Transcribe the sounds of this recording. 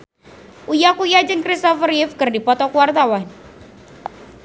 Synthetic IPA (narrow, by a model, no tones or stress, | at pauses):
ʔujakujad͡ʒɨŋkɾist̪ɔfərɪfkɨrdipɔt̪ɔkuwart̪awan